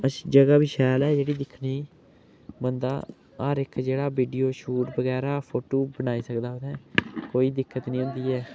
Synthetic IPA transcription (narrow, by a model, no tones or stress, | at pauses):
ət͡ʃid͡ʒəɡaːbɪʃɛːlɛːd͡ʒeːɽiːd̪ɪkʰːniː | mənd̪aː | aːɾɪkʰd͡ʒeːɽaːbiːɖiːoːʃuːʈbəɡɛːɾaːpʰoːʈoːbənaːiːsəkd̪aːʊd̪ɛ̃ːkoːiːd̪ɪkʰːət̪nĩːʊ̃nd̪iːɛː